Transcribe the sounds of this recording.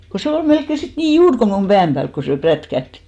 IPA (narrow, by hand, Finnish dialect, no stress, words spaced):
ko se ol melkːe sit niː juːr ko mum b̥æːm pæːlk ko se prætkæhti̥